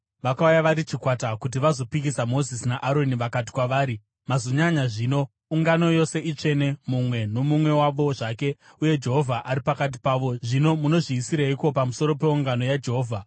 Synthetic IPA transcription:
ʋakaujaʋaɾit͡ʃikwatakut̬iʋazo̞pikisamo̞zisnaʔaɾo̞niʋakat̬i̥kwaʋaːɾi | mazoɲaɲaʐiːno̞ | uŋɡano̞jo̞se̞ʔit͡ʂe̞ne̞mumwe̞no̞mumwe̞waʋo̞ʐake̞ | uje̞d͡ʒe̞ɦo̞vʱaʔaɾipakat̬i̥paːʋo̞ʐino̞muno̞ʐiːsiɾaiko̞pamuso̞ɾo̞pe̞uŋɡano̞jad͡ʒe̞ɦoːvʱa

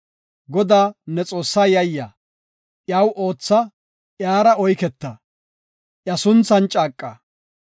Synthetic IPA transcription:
ɡɔd̪aːnɛt͡sʼo̞ːsːaːjɐjːa | ʔjaːwʔo̞ːt͡sːɐ | ʔjaːɾɐɔjkɛt̪ːɐ | ʔjɐsʊnt͡sːɐnt͡ʃʼaːkʼːɐ

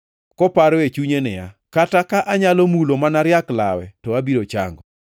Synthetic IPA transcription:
kɔpaɾɔet͡ʃuɲenɪja̰ | katakaʔaɲalɔmulomanaɾjakla̰wɛ̰tɔabiɾot͡ʃa̰ŋɡɔ

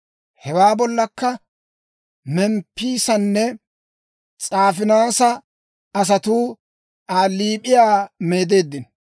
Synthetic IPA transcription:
hɛwaːbɔlːɐkːɐ | mɛmpːiːsɐnːɛ | t͡sʼaːfɪnaːsɐ | ɐs̬ɐt̪uː | ʔaːliːpʼɪjaːme̞ːd̪e̞ːd̪ːɪn

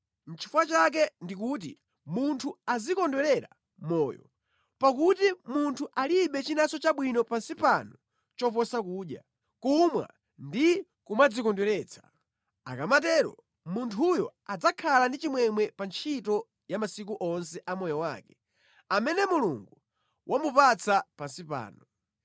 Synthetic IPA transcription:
n̩t͡ʃʰi̥fwat͡ʃak̬ɛndik̬ut̬ḭ | muntʰuazikɔndwɛɾɛɾa̰ | mɔːjɔ̰ | pak̬utimuntʰuʔaliɓɛt͡ʃinasɔt͡ʃaɓwinɔpansipanɔ | t͡ʃɔp̬ɔsakuːɗja̰ | kumwa̰ | ndi | kumad͡zikɔndwɛɾɛːt͡sʰḁ | a̰kamatɛːɾɔ̰ | muntʰujɔad͡zakʰalandit͡ʃimwɛmwɛpant͡ʃʰitɔ | jamasik̬uʔɔns̬ɛʔamɔjɔwa̰ːkɛ̥ | amɛnɛmuluŋɡu | wʔamupat͡sʰapansipa̰ːnɔ

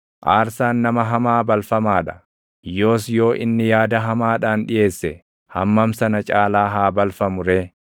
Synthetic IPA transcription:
ʔaːɾsaːnːɐmɐɦɐmaːbɐlfɐmaːᶑɐ̥ | jo̞ːs̬jo̞ːʔɪnːɪjaːd̪ɐɦɐmaːᶑaːnᶑɪjʔe̞ːsːɛ | hɐmːɐmsɐnɐt͡ʃʼaːlaːɦaːbɐlfɐmʊɾe̞ː

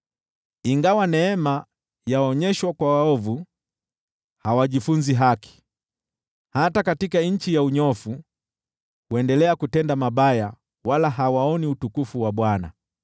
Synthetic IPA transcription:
iŋɡawanɛɛma | jaɔɲɛʃwakwawaɔvu | hawaʄifund͡ʒiɦaki̥ | hatakatikaɲ̩t͡ʃijauɲɔfu | wɛndɛlɛakutɛndamabaja | walaɦawaɔniutukufuwaɓwana̰

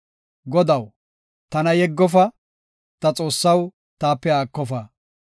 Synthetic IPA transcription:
ɡɔd̪ɐw | t̪ɐnɐjɛɡːɔf̬ɐ | t̪ɐt͡sʼo̞ːsːɐw | t̪aːpːɛaːkːɔfɐ

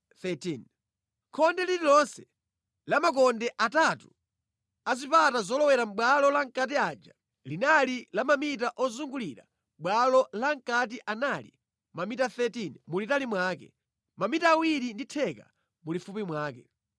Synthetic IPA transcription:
θɛtin | kʰɔndɛlililɔnsɛ | lamak̬ɔndɛʔatatu | azipatazɔlɔwɛɾam̩ɓwalɔlaŋkat̬iaːd͡ʒa̰ | linalilamamitaʔɔzuŋɡuliɾa̰ | mɓwalɔlaŋkatiʔanalḭ | mamitaθɛtinmulitalimwaːkɛ̰ | mamitaːwiɾinditʰɛka̰ | mulifupimwaːkɛ

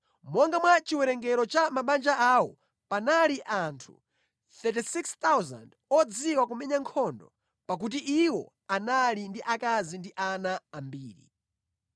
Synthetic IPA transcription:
mɔŋɡamwat͡ʃiwɛɾɛŋɡɛɾɔt͡ʃamaɓand͡ʒaawɔ | panaliʔantʰṵ | t̪ɛtisikst̪awza̰nd | ɔd͡ziwakumɛɲaŋkʰɔndɔ | pak̬ut̬iʔiwɔ̰ | analindiʔakazindiʔanaːmbiːɾḭ

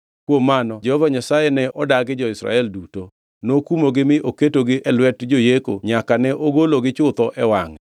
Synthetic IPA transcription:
kwomːanɔd͡ʒɛhɔvaɲasajɛnɛʔɔdaɡɪd͡ʒɔɪsɾa̰ɛlduto | nokumoɡɪmɪʔoketoɡɪʔɛlwɛtd͡ʒojeko̰ɲakanɛʔoɡoloɡɪt͡ʃʊt̪ɔʔɛwaŋɛ

